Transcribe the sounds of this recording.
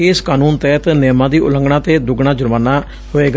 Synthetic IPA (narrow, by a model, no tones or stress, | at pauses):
eːskaːnuːnt̪ɛːt̪nɛːmãːd̪iːʊ̰lə̃ŋɡɽãːt̪eːd̪ʊɡɳãːd͡ʒʊɾmaːnaː | hoːeːɡ